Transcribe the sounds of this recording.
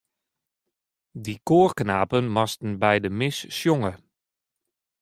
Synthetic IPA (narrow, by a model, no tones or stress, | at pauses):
dikoːrknaːpənmɔstən̩bɛjdəmɪsːjoŋə